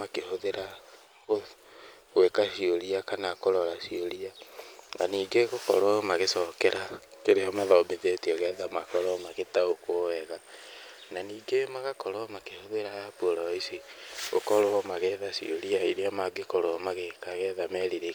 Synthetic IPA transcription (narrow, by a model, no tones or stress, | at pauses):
makehoðeɾa | ɣo | ɣwekaʃioɾiakanakoɾɔɾaʃioɾiana̰niːɡeɣokɔɾɔmaɣesɔkɛɾʔakeɾeɔmaðaomeðetiɔɣɛðamakɔɾɔmaɣetaokoɛɣa | naniːɡemaɣakɔɾɔmakehoðeɾajapwoɾɔisio̰kɔɾoɔmaɣɛðaʃḭoɾiaiɾeamaɡekɔɾɔmaɣekaɣɛðamɛɾiɾe